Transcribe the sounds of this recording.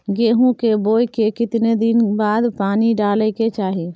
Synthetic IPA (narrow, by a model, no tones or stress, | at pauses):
ɡeːɦũkeboːjkekɪt̪ned̪ɪnbaːd̪paːniɖaːleket͡ʃaːɦe